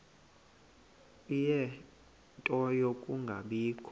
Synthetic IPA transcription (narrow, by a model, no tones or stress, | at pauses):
ijɛ | ntʼɔjokʼuŋɡʱa̰ɓiːkʰɔ